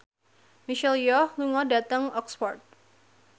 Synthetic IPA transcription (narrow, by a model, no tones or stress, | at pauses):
miʃɛljɔhluŋɔdat̪əŋɔkspɔrt̪̚